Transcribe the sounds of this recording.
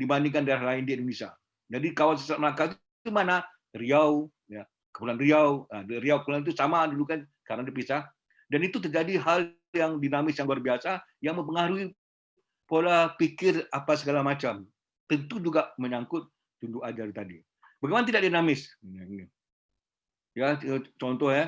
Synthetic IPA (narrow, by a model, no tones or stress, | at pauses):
dibaniŋk̬andaɾahlaɪndiindonisia̰ | d͡ʒadikawans̬əsaat̪məlakait̪ | imana | riaw | ja | kəpulanriawaɾiawkəpulanit̪̬usamadulukankaɾənadip̬isah | danit̪ut̪̬ərd͡ʒadiɦal | jaŋdinamɪsjaŋluarbiasajaŋməmpəŋaɾui | polapikɪrapas̬əɡalamat͡ʃam | t̪ənt̪ud͡ʒuɡaʔməɲaŋkʊt̪̚ | t̪unduʔad͡ʒart̪adi | baɡejmanat̪idak̚ʔ̚dinamɪs | jat͡ʃɔnt̪ɔhja